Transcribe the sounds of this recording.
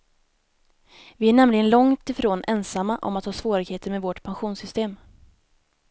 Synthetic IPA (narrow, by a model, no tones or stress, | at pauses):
vɪæɳɛmlɪɡənlɔŋt̪ɪfɾoːnʔɛnsamːaʔɔ̰mat̪hɑːsvoːɾɪɡheːt̪əɾmɛvɔʈpʰanɧuːnsʏst̪eːm